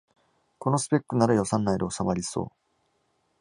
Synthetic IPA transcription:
ko̞no̞sɨ̥pʲe̞kːɯ̟naɾajo̞sãnːaiɾeosamaɾʲiso̞̰ː

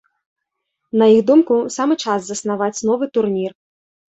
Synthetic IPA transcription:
nɐjiɣd̪umkusamɨt͡ʂaszɐsn̪avat͡sʲnɔvɨt̪urnʲir

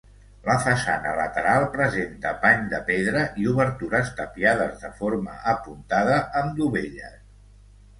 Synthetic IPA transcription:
ləfəsanə̰lə̰t̪əɾalˠpɾəzent̪əpaɲd̪əpeðɾəʔiuβəɾt̪uɾəzt̪əpjaðəzðəfoɾmə̰ʔəpunt̪aðəʔəmd̪uβeʎə

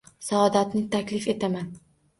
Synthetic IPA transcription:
saɒd̪at̪nɪt̪ʰakʲlɪfe̞t̪ʰaman

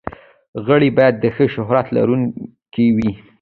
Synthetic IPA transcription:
ɣəɽibɑjad̪ːəxəʃʊɦɾat̪la̰ɾun | kiwi

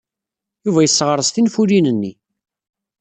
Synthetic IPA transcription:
juvæjəsːʁəɾˤəst̪infuɾinənːi

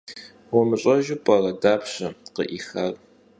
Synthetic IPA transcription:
wɔmɨɕʼɐʒɪpʼɐrɐdaːpɕɐqə̰ʔiːxar

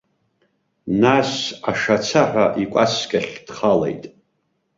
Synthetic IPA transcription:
nasaʂat͡sʰaħʷᶣaʔikʷʼaskʲʼaχʲd̥χalḛjtʼ

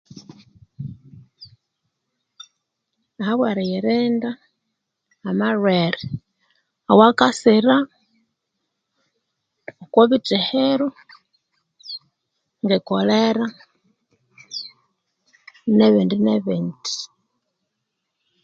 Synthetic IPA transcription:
ahaβweɾajeɾendaː | marweɾi | awakasiɾa | kwoβiteheɾo | ŋɡekoleɾa | neβendineβeːndi̥

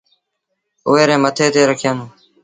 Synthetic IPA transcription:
ʊːeːɾẽːmət̪ʰeːt̪ʰeːɾəkʰjãːnũː

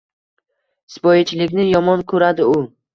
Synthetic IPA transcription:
spɒjɪt͡ʃʰɪlɪkʲnɪjɒmɒnkʰɵɾad̪ɪʊ

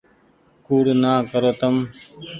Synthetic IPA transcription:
kuːɽnaːkəɾoːt̪əm

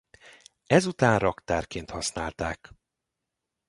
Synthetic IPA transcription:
ɛzut̪aːnrɒkt̪aːrkeːnt̪hɒsnaːlt̪aːk

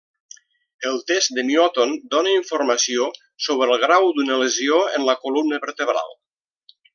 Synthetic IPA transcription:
əlˠt̪ɛsd̪əmjɔt̪ond̪onəiɱfuɾməsio | soβɾəlˠɣɾawd̪unələzioənləkulubnəβərt̪əβɾa̰lˠ

